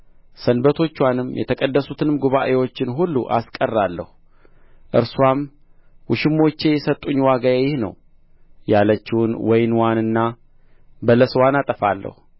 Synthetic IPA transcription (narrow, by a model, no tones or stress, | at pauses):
sənbət̪ʰo̞t͡ʃːwanɨmjɛ̰t̪ʰəkʼəd̪ːəsut̪ʰɨnɨmɡuβaʔewo̞t͡ʃːɪnɦulːuʔa̰skʼərːalːə̰hu | ʔɨɾswam | wʊʃɪmːo̞t͡ʃːe̞jɛsət̪ʼːuɲːwaɡajejɪhnə̰w | jalət͡ʃːɪwʊnwɔjɪnwanɨnːa | bələswanat̪ʼəfalːə̰hu